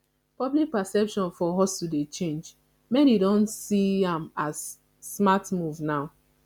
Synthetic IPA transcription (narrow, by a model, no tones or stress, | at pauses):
pɔblik̚pasɛpʃɔ̃nfɔɦɔstudet͡ʃẽnd͡ʒ | mededɔ̃nsiãmasː | matmuvnaʊ